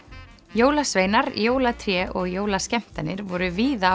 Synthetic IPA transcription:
joːwlasveːjnaɾjoːwlat̪ʰɾjɛʔɔɣjoːwlascɛm̥t̪anɪɾvɔɾʏviːða

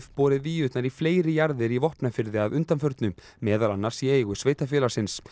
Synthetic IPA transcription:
θpɔːɾɪviʏht̪naɾifleːjɾɪjaɾðɪɾivɔhpnafɪɾðɪaðʏnt̪anfœɾt̪nʏ | mɛːðalanːaɾ̥sieɣʏsveːjt̪afɛːlaɾsɪns

